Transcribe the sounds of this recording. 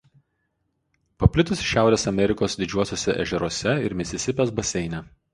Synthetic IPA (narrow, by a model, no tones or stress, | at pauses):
pɐpʲlʲɪt̪ʊsʃʲːæˑʊɾʲeːsɐmʲɛɾʲɪkoːsd̪ʲɪd͡ʒʲuɔsʲoːsʲɛʔɛ̰ʒʲɛɾuɔsʲɛɪɾmʲɪsʲɪsʲɪpʲɛsbɐsʲɛɪnʲɛ